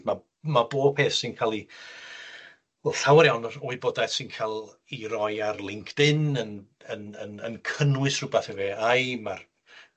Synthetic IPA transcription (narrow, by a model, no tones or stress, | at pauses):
ma | mabo̥ːpʰeːθsɪnkʰaːlˠi | lˠɬawɾjawnoːɨboːdaθsɪnkʰalˠ | iɾɔjarlˠɪŋkʰd̥ɪnən | ənənənkʰənwɨsrʊbaθɛveːajmar